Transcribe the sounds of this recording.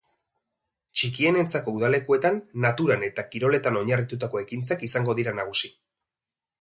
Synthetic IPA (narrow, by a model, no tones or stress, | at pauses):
t͡ʃikie̞ne̞nt͡sako̞uðale̞kue̞t̪anːat̪uɾane̞t̪akiɾo̞le̞t̪ano̞ɲarit̪ut̪ako̞e̞kint͡sakisaŋɡo̞ðiɾanaɣ̞usi